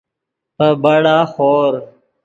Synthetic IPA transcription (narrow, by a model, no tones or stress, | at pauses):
pəbəɽaːxoːɾ